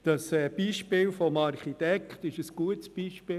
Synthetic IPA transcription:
d̥ɑsɛb̥iʃpɪːlfɔmɑɾχit̪ɛkχt̪ɪʃəsɡ̥uətsb̥iʃpɪː

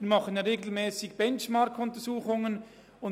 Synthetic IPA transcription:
mɑχənɾeːɡl̩mɛːsɪɡb̥ɛnt͡ʃmɑɾkʰʊntəsuːχʊŋən | ʊn

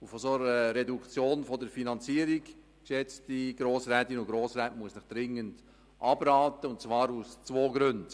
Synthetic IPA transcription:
ufɔsoɾəɾɛdukt͡sjoːnfɔdəɾfinɑnt͡siːəɾiɡ | kʃɛt͡stiɡ̥ɾoːsɾɛtinʊɡ̥ɾoːsɾɛːtmuəsnɪχd̪̥ɾɪŋːənd | ʔɑb̥ɾɑːtəʊntt͡svɑːɾust͡svoːɡɾʉnd

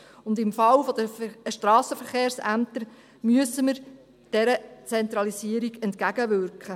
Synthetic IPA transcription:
ʊnd̪ɪmfɑlfɔd̥̪əʃtɾɑːsəfəɾχeːɾsæmt̪əɾ | myəsəməɾ | d̥ɛɾət͡sɛnt̪ɾɑlisiəɾiɡɛntkæɡəʋʏɾkχə

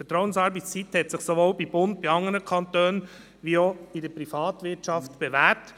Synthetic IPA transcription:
fətɾɔwənsɑːɾbəst͡sit̪hɛt̪sɪχsoʋoːlbib̥ʊnt̚biɑŋəɾəkʰɑnt̪øːn | ʋioidəpɾifɑːt̪ʋɪɾtʃɑft̪b̥eʋæp̚t

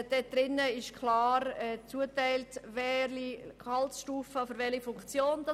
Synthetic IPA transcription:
d̥ɛd̥ɾɪnːəɪʃkʰlɑːɾɛt͡suətæɪltʋɛlikʰɑlsʃtuːfəfʏɾʋɛlifʊŋkt͡sjoːnd̥ɑ

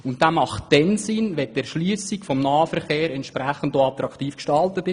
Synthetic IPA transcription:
ʊntdaːmɑχtd̥ɛnsɪnʋɛtɛɾʃlyːsikfɔmnɑːfɛɾχeːɾɛnt̪ʃpɾɛχən̩toɑt̪ɾɑktiːfkʃtɑltətɪ

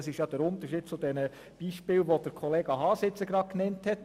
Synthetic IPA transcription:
sɪʃjɑd̥̪ɛɾʊnt̪əɾʃiːd̥̚t͡sudɛnə | b̥iːʃpɪːlʋod̥əɾkʰɔleːɡɑɦɑːsɪt͡səɡɾɑknɛnthɛt

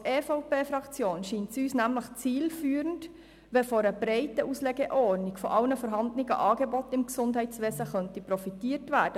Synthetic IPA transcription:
ɛːfoʊpeːfɾɑkt͡sjoːnʃiːntsyːsnæmləχt͡siːlfyːɾənd | ʋɛfɔɾəbɾɛɪtəʔuslɛɡɛʔɔːrnɪɡfɔʔɑlnəfɔɾɦɑndnɪɡə̰ʔɑːɡebɔtɪmksʊndɦɛɪt͡sʋeːsəχœntipɾɔfitiːətʋæːd̥ə

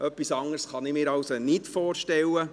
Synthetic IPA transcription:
ʔœpːisɑŋːəɾsχɑnɪmɪːɾɑwsonɪtfɔːrʃtɛlːə

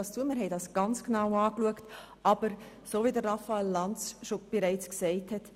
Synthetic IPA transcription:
ɑst͡suəmɪɾɦɛɪdɑsɡ̥ɑnt͡sknɑʊɑːkluəkt | ʔɑb̥əɾ | soːvidəɾrɑfaɛlːɑnt͡sʃob̥eɾɛɪt͡sksɛɪthɛt

